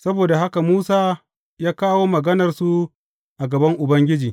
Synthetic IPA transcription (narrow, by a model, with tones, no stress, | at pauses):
sɐ˦boː˨da˨ɦa˦ka˨muː˦saː˦ | jaː˦kaː˦woː˦mɐ˨ɡɐ˦nɐ˨rsu˦ | ʔa˨ɡɐ˨bɐ˦ŋʔʊ˨bɐ˦ŋɡʲɪ˦d͡ʒiː˨